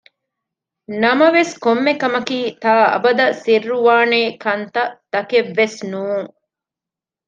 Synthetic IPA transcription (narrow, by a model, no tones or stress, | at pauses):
nɐmɐʋeskomːekɐmɐkiːt̪aːɐ̰bɐd̪ɐsirːuʋaːneːkɐnt̪ɐt̪ɐkeʋːesnuːŋ